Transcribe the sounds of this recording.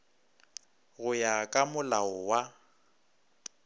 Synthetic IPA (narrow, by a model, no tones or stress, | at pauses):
ɣʊjakʼamʊlaʊwa